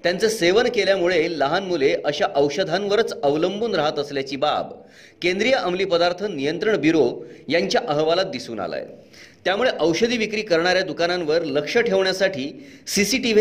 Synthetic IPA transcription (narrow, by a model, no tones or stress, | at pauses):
t̪jant͡səseʋənkeljamuɭeləɦanmuleʔəɕaʔəwɕəd̪ʱanʋəɾət͡səʋləmbuːnɾaɦət̪əsljat͡ɕiːba̰b | kẽnd̪ɾijaʔəmliːpəd̪aɾt̪ʰənːijənt̪ɾəɳbiɾojaɲt͡ɕjaʔəɦʋalat̪̚d̪isuːna̰la̰j | t̪jamuɭeʔəwɕəd̪ʱiːʋikɾiːkəɾɳ̃aɾjad̪ukanãnʋəɾləkʂəʈʰeʋɳjasaʈʰiːsisiʈiʋ